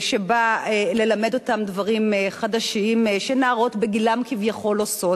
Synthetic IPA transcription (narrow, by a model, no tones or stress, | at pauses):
ʃebaele̞lame̞do̞tamdvaʁimχadaʃiimʃenaaʁotbeɡilamkivjaχo̞loso̞